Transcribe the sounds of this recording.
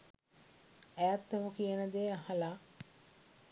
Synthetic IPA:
æjat̪ːemukijənəd̪eːahala

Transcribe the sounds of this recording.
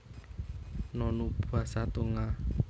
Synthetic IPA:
nɔnub̥a̤sat̪uŋa

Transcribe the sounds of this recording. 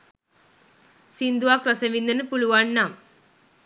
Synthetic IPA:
sind̪uʋaːkɾɐsɐʋind̪ɐnipuɭuʋaɳːam

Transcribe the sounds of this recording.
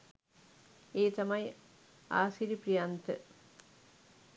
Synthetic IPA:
eːt̪ɐmɐj | a̰ːsiɾiprijant̪ɨ

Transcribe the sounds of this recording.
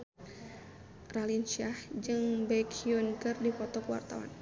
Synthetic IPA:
ralinʃiahd͡ʒɨŋbɛkʰiunkɨrdifɔt̪ɔkuwa̰rt̪a̰wa̰n

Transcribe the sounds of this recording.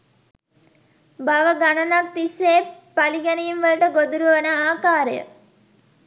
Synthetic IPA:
baʋəɡanɐnak̚t̪iseːpaliɡɐnejimʋəlʈəɡod̪uɾuʋənəaːkaːɾəjə̰

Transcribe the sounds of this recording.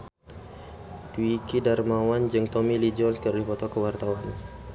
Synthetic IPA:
d̥uikidarmawand͡ʒɨŋt̪ɔmilid͡ʒɔlskəɾdifɔt̪ɔkəwart̪awan

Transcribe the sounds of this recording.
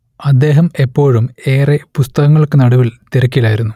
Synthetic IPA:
ɐd̪ːe̞ːɦɐme̞pːo̞ːɻume̞ːrepust̪ɐɣɐŋːɐɭkːɨnɐɽuʋilt̪eɾɐkʲːilaːjiɾunːu

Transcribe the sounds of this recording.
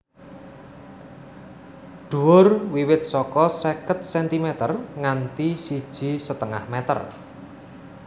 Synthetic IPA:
ɖ̪̥ṳwʊrwiwɪt̪̚sɔkɔsɛkət̪̚sɛnt̪imɛt̪ərŋant̪isid̥ʒ̥i̤sət̪əŋa̰hmɛt̪ə̰r

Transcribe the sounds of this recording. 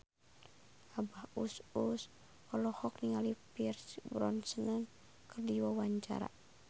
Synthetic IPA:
abahusus | ɔlɔhɔkniŋalipirsbɾɔ̰nsənan | kərdiwawaɲt͡ʃa̰ɾa̰

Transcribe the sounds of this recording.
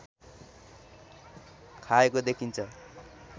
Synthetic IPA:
kʰaekod̪ekʰint͡sʰʌ

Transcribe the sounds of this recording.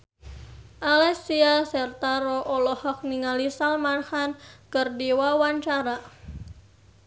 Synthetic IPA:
ʔalɛsiasɛrt̪aɾɔʔɔlɔhɔk̚niŋalisalmarhankərdiwawaɲt͡ʃaɾa

